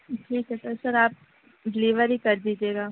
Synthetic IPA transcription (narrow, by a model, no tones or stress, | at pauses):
ʈʰiːkɦɛsɐsɐɾaːp̚ | ɖɪliːʋəɾikɐɾd̪iːd͡ʒieːɡaː